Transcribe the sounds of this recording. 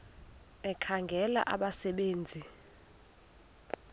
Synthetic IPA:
ɛkʰaŋɡʱɛla̰ʔaɓasɛɓeːnd͡zʱi

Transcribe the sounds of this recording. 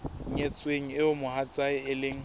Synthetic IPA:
ɲet͡sʼweŋ̩ɪʊmʊhat͡sʼaɪɪlɪŋ̩

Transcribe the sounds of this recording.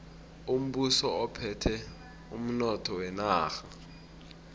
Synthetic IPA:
um̩ɓusɔɔpʰɛtʰɛ | ṵm̩nɔtʰɔwɛnaːxa

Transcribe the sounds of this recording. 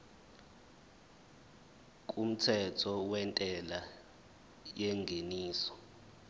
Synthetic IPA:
k̬ʼum̩tʰɛtʰɔwɛntʼɛla | jɛŋɡʱeniːsɔ̥

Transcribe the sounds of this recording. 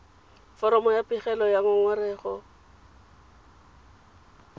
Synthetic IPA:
fɔɾɔmɔjapʼɪχɛlɔjaŋɔŋwarɛːχɔ

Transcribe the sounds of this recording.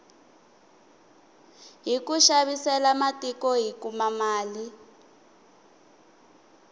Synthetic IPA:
ɦikuʃaβisɛlamatikɔɦikumamaːli

